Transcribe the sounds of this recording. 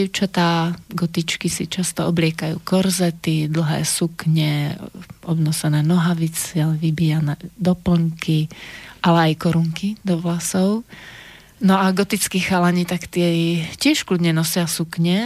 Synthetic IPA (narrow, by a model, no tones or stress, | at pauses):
ɛʊt͡ʃat̪aːɡɔt̪it͡ʃkisit͡ʃast̪ɔɔblɪɛkajṵːkɔɾzɛt̪id̪l̩ɦɛ̰ːsukɲɛ | ɔbnɔsɛnɛːnɔɦaʋit͡sɛʋibijanɛːd̪ɔpl̩ŋkiʔalɛajkɔɾuŋkid̪ɔʋlasɔʊ | nɔaɡɔt̪it͡skixalaɲit̪akt̪ɪɛcɪɛʃklud̪ɲɛnɔsɪasukɲɛ